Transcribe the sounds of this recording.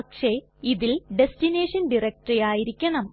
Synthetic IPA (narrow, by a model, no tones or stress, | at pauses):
ɐkʂe̞ | iðilɖe̞stine̞ːʂɐnɖirek̚ʈɐrijaːjiɾikʲːɐɳɐm